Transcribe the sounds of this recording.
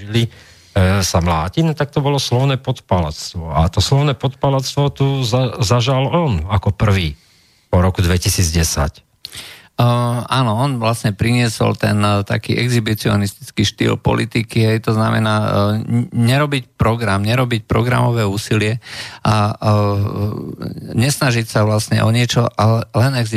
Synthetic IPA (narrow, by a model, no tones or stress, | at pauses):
ili | samlaːcinɔt̪ak̚t̪ɔbɔlɔslɔʊnɛːpɔt̪pala̰t͡st̪ʋɔat̪ɔslɔʊnɛːpɔt̪palat͡st̪ʋɔt̪uzaʒalɔnakɔpr̩ʋiː | pɔɾɔkud̪ʋɛcisiːd͡zɟɛsa̰c | aːnɔɔnʋlasɲɛpɾiɲɪɛsɔ̰lt̪ɛnt̪a̰kḭːʔɛɡzibit͡siɔnist̪i̥t͡skiːʃt̪ḭːlpɔ̰lʔit̪ikiɦɛjt̪ɔznamɛ̰naː | ɲɛɾɔbicpɾɔɡɾamɲɛɾɔbic̚pɾɔɡɾa̰mɔʋɛːuːsilɪɛʔa | ɲɛsnaʒicsaʋlasɲɛ̰ʔɔɲɪɛt͡ʃɔʔalɛlɛnɛɡz